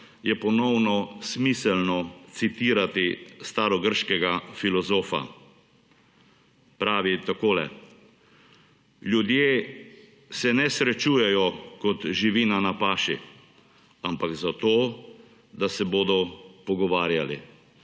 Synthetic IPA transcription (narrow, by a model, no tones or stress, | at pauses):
jɛpɔnɔwnɔsmiːsɛlnɔt̪sit̪iːɾat̪ist̪aɾɔɡəɾʃkɛɡafilɔzoːfa̰ | pɾaːʋit̪akoːlɛ̰ | ljud̪jeː | sɛnɛsɾɛt͡ʃuːjɛjɔkɔt̪ʒiʋiːnanapaːʃḭ | ampaɡzat̪oː | d̪asɛboːd̪ɔpɔɡɔʋaːɾjalḭ